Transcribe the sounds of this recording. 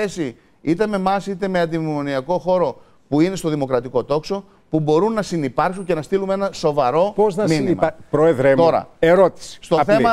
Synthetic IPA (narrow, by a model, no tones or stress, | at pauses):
esi | it̪e̞me̞mɐsit̪e̞me̞ɐnd̪imimo̞niɐko̞xo̞ɾo̞ | puine̞st̪o̞ðimo̞kɾɐt̪iko̞t̪o̞kso̞ | pubo̞ɾunːɐsinipɐɾksuɲce̞nɐst̪ilume̞nɐso̞vɐɾo̞poznɐminimɐpɾoeðɾemt̪oɾɐ̰eɾot̪i̥si̥st̪o̞θe̞mɐ